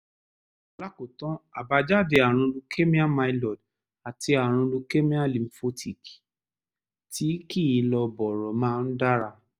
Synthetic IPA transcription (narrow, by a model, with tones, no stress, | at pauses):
la˦ko˨tɔ̃˦a˨ba˧d͡ʒa˦˨de˨˧a˨ɾ̃ũ˧lu˧kʰe˦mĩ˦a˦ma˧i˧lɔ˨d | a˨ti˧a˨ɾ̃ũ˧lu˧ke˦mĩ˦ã˦li˨m̩˨fo˦tʰi˨ki̥˨ | tʰi˨˦ki˦i˧lɔ˧bɔ˨ɾɔ˨mãː˦˧n̩˦da˦ɾa˧